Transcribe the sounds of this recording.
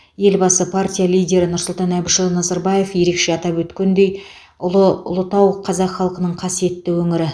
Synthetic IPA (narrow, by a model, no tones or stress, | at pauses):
je̞lbɑsəpʰartʲijalʲˠijdʲe̞ɾɪnʊɾsʊlˠt̪ɑnæbɪʃəlˠnɑzɑɾbɑje̞fje̞ɾe̞kʃe̞ɑt̪ɑpwɵt̪kʲend̪e̞j | ʊ̰lˠət̪ɑwqʰɑzɑqχɑlˠqənəɴqʰɑsije̞t̪ːɪwɵŋɪɾɪ